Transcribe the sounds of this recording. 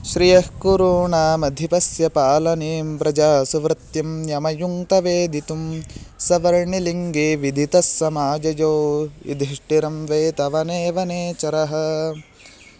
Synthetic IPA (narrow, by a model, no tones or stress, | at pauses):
ʃɾijɐhkuɾuːɳaːmɐd̪ʱipɐsjɐpaːlɐneːmpɾɐd͡ʒaːsuʋɾɐt̪jɐmjɐmɐjuŋt̪ɐʋeːd̪ʱit̪umsɐʋɐɾɳiliŋɡeːʋid̪ʱit̪ɐsːɐmaːd͡ʒɐjoːḭd̪ʱɾiʂʈiɾɐmʋeːt̪ɐʋɐneːʋɐneːt͡ʃɐɾɐɦɐ̆